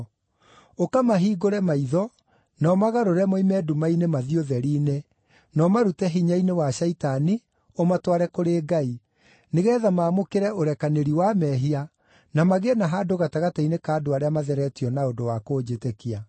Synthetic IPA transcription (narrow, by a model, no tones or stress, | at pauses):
okamaɦiːɡoɾɛmaiðɔ | nɔmaɣaɾoɾɛmoimɛdumainemaðioðɛɾine | nɔmaɾutɛɦiɲainewaʃaitani | omatwaɾɛkoɾeːɡai | neɣɛːðamaːmokeɾɛoɾɛkaneɾiwamɛɦia | namaɣenaɦaːdoɣataɣatainekaːdoaɾeamaðɛɾɛtiɔnaodowakoːd͡ʑetekia